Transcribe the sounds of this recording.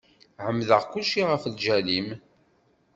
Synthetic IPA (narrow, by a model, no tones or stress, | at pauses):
ʕəmːðəʁkuʃiʁəflʒælim